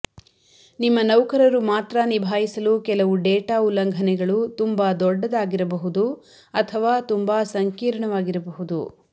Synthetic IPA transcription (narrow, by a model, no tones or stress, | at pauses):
nimːɐnɐwkɐɾɐɾumaːt̪ɾɐnibʱaːjisɐlukɛlɐʋuɖɛːʈaːulːɐŋɡʱɐnɛɡɐɭut̪umbaːd̪ɔɖːɐd̪aːɡiɾɐbɐɦud̪u | ɐt̪ʰɐʋaːt̪umbaːsɐŋkiːɾɐɳɐʋaːɡiɾɐbɐɦud̪ṵ